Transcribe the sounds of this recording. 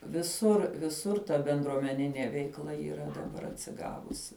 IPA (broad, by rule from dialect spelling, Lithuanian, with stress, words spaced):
ʋʲɪˈsʊr ʋʲɪˈsʊr tɐ bʲɛndruɔmʲɛˈnʲɪnʲeː ʋʲɛɪkˈlˠɐ iːˈrɐ dɐˈbɐr ɐtʲsʲɪˈɡɑːʋʊsʲɪ